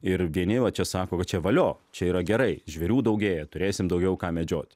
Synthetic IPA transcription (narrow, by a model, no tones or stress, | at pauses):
ɪɾʋʲiɛnʲɪʋɐt͡ʃʲɛsɑːkoːkɐt̪̚t͡ʃʲɛʋɐlʲoːt͡ʃʲɛiːɾɐɡʲɛɾɐɪʒʲʋʲɛɾʲuːd̪ɐʊɡʲeːjɛt̪ʊɾʲeːsʲɪmd̪ɐʊɡʲɛʊkɑːmʲɛd͡ʒʲoːt̪ʲ